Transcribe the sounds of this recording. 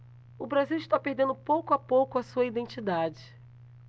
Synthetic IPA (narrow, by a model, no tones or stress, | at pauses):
ʊbɾaziwiʃt̪apehd̪ẽnd̪ʊpowkʊapowkʊɐsuɐid̪ẽnt͡ʃid̪ad͡ʒɪ